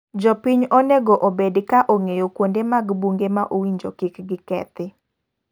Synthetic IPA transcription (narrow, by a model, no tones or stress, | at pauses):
d͡ʒɔpiɲonɛɡɔʔobedkaʔoŋejokwondemaɡbuŋɡemaʔowiɲd͡ʒokikɡɪkɛ̰t̪ɪ